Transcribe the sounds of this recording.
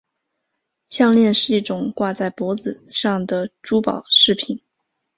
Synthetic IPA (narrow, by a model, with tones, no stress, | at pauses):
ɕjɑ˥˧ŋljɛ˥˧nʂɻ̩˥˧i˥˩ʈ͡ʂʊ˨˩ŋkwa˥˧t͡sa˥˩ɪpwɔ˧˥d͡zɹ̩˨˩ʂɑ˥˩ŋd̪ə˩ʈ͡ʂu˥pɑ̰˨˩˦ʊʂɻ̩˥˩pʰi˨˩n